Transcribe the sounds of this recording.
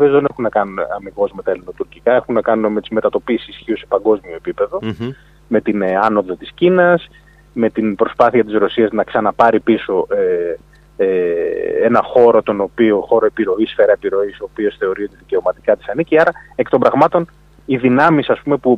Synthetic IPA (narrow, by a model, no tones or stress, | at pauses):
iozðe̞nexunːɐkɐnuneɐmiɣo̞zme̞t̪ɐelino̞t̪uɾcikɐe̞xunnːɐkɐnuneme̞t̪izmet̪ɐt̪o̞pisisçiose̞pɐŋɡo̞zmio̞epipe̞ðo̞ | me̞t̪inɐno̞ðot̪iscinɐs | me̞t̪inpɾo̞spɐθiɐt̪izɾo̞siɐznɐksɐnɐpɐɾipiso̞ʔe | eenɐxo̞ɾo̞t̪o̞no̞pio̞xo̞ɾo̞e̞piɾo̞isfe̞ɾɐepiɾo̞isoopio̞sθe̞o̞ɾio̞t̪iðice̞o̞mɐt̪i̥kɐt̪i̥sɐniciɐɾɐekt̪obɾɐɣmɐt̪o̞n | iðinɐmisɐspume̞pu